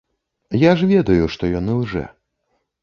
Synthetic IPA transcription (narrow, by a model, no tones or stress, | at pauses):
jaʐvʲɛd̪ɐjuʂt̪ɔjanɨwʐɛ̰